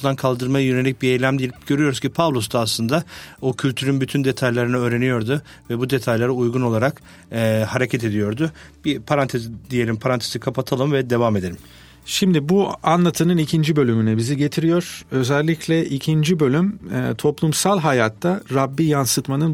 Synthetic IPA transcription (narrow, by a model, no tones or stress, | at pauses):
nd̪ankʰalˠd̪ɯɾmajajø̞ne̞lʲic̚biejlʲæmd̪ijelʲip̚ɟ̥ø̞ɾyjo̞ɾuz̥cʰipʰavlˠost̪ʰaːslˠɯnd̪aocʰylʲt̪ʰyɾynbyt̪ʰynd̪e̞t̪ʰajlʲˠaɾɯnaøːɾe̞nijo̞ɾd̪ʊ | vɛbud̪e̞t̪ʰajlʲˠaɾaujɡuno̞lˠaɾakː | haɾecʰɛt̪e̞d̪ijo̞ɾd̪ʊb̥ipʰaɾant̪ʰezid̪ije̞lʲimpʰaɾant̪ʰez̥ikʰapʰat̪ʰalˠɯmvɛd̪e̞vame̞d̪e̞ɾʲim | ʃimd̪ibuanlˠat̪ʰɯnɯnicʰind͡ʒibø̞lʲymynɛbiziɟe̞t̪ʰiɾijo̞ɾ̥ø̞zɛlʲːicʰlʲɛʔicʰind͡ʒibø̞lʲym̰ːt̪ʰo̞plˠumsalˠɦajaːt̪ʰːaɾabːijansɯt̪manɯn